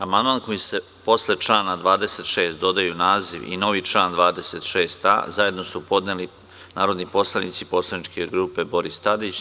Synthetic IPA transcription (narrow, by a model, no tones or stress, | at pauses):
amand̪mankojise̞ | po̞sle̞t͡ʃlaːnad̪ʋaːd̪ese̞t̪ʃe̞ːst̪d̪o̞d̪ajunaːziʋḭno̞ʋit͡ʃlˠaːnd̪ʋaːd̪e̞se̞t̪ʃeːst̪a̰zaje̞d̪no̞supo̞d̪neli | naːɾo̞d̪nipo̞slˠanit̪sipo̞slˠanit͡ʃke̞ɡɾuːpe̞bo̞ɾist̪ad̪it͡ɕ